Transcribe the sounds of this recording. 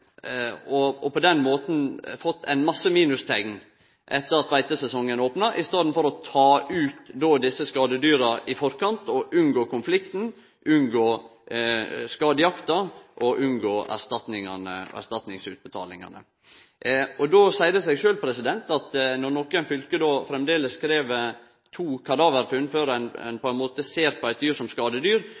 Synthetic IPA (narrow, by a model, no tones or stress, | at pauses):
ɔɔpɔd̪ɛnmoːt̪n̩fɔt̪ʰːæ̰ɪnmɑsːəmiːnʉst̪ʰɛɡn | ʔɛt̪ːəɾɑt̪ʋæɪt̪əsɛsɔŋːənoːpnɑʔɪst̪ɑːd̪n̩fɔɾɔt̪ʰɑːʔʉːt̪d̪oːd̪ɪsːəskɑːd̪əd̪yːɾɑʔɪfɔɾkɑnt̪ɔʔʉnɡoːkʊnflɪkt̪n̩ | ʔʉnɡoː | skɑːd̪əjɑkt̪ɑʔɔʔʉnɡoːʔæ̰ʂt̪ɑt̪nɪŋɑnə̰æ̰ɾʂt̪ɑt̪nɪŋsʉːt̪̚bət̪ʰɑ̰ːlɪŋɑ̰nə̰ | ɔd̪oːsæɪd̪əsɛɡʃøːlpʰɾɛsɪd̪ɛnt̪ɑt̪nɔnɔkːəɛnfʏlkəd̪oːfɾɛmd̪eːləskɾeːʋə | t̪ʰuːkʰɑd̪ɑːʋəɾfʉnføːɾɛnɛ̰npʰɔɛnmoːt̪əseːɾpʰɔæɪt̪d̪yːɾʂɔmskɑːd̪əd̪yːɾ